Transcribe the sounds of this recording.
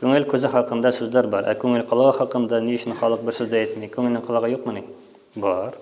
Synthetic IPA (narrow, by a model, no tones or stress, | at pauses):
kʲʰøŋɪlʲkʰʲøzɪχɑqʰənd̪ɑsɵzlæɾbɑɾʔɛ̰kʲʰøŋɪlqʰəlˠɑʁɑχɑqɤnd̪ɑnijyt͡ʃʰinχɑlˠɤq̚bɪɾsɵzd̪ɛet̪mikʲʰøŋɪlnɪŋqʰəlˠɑʁɑjoqmənɪ | bɑɾ